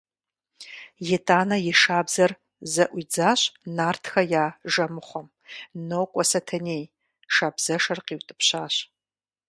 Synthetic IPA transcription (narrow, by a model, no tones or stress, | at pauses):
jɛtʼaːnɐjɪʂaːbzɐr | zɐʔʷid͡zaːɕnaːrtʰxɐjaːʒɐmɨχʷɔm | nowkʷʼɔsɐtʰɐneːj | ʃaːbz̥ɐʂɐrqiːwtʼɨ̥pʰɕaːɕ